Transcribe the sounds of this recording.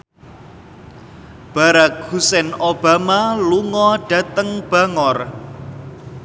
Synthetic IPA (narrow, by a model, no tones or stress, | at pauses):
b̥a̤ɾak̚ɡusɛnob̥amaluŋɔɖ̥ä̤t̪əŋb̥a̤ŋɔr